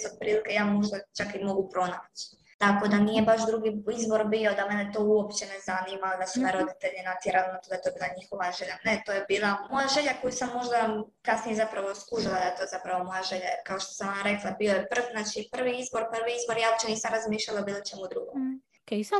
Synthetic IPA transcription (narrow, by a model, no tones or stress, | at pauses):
sod̪̚pɾiːlikejaːmo̞ʒd̪at͡ʃakimo̞ɡupɾo̞naːt͡ɕi̥ | t̪ako̞d̪anije̞baʃd̪ɾuɡiizbo̞ɾbio̞d̪amenet̪o̞ːuopt͡ɕe̞nezanimald̪asumeɾo̞d̪it̪eʎenat̪jeɾalonat̪o̞d̪aet̪obilˠaɲixo̞ʋaʒeʎanet̪ojebiːlˠamo̞jaʒe̞ʎako̞jusamːo̞ʒd̪akasnijezapɾaʋoskuʒilˠad̪ajet̪ojzapɾaʋomo̞jaʒe̞ʎajɾkaoʃt̪o̥samonaɾe̞klˠabio̞jepr̩ʋznaːt͡ʃipr̩ʋiizbo̞ɾpr̩ʋiizbo̞ɾjaːop̚t͡ɕeniːsamɾazmiːʃʎalaobiːlˠot͡ʃemud̪ɾuɡom | ke